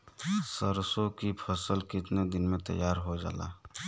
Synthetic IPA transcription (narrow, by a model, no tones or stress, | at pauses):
səɾsõkipʰəsəlkɪt̪ned̪ɪnmẽt̪ɐ̰jːaːɾɦod͡ʒa̰ːla̰ː